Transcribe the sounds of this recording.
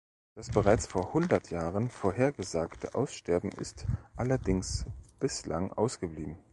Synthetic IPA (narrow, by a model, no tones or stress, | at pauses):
d̥asb̥əʁ̞aɪt͡sfoːɐhʊndɐtʰjaːʁənfoːɐheːɐɡəzaːktʰə̰ʔaʊsʃtɛɐbm̩ʔɪ̰stʔalɐdɪŋsb̥ɪsla̰ŋʔa̰ʊsɡ̥əbliːbm̩